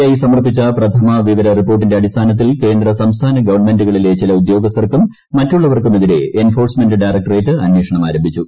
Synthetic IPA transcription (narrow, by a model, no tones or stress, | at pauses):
aːjisɐmɐrpːit͡ɕːɐprɐt̪ʰɐmɐʋiʋɐɾɐripːo̞ːrʈ̬ːinde̞ɐdist̪ʰaːnɐt̪̬ːilke̞ːnd̪rɐsɐmst̪ʰaːnɐɡɐʋɐrnme̞nduɣɐɭilet͡ɕilɐud̪jo̞ːɡɐs̬t̪ɐrkumː | ɐtːuɭːɐʋɐrkumeðiɾe̞enfo̞ːrsme̞ndɨɖɐjrɐk̚ʈɐreːtːɨɐnweːʂɐɳɐmaːɾɐmbʱit͡ɕːu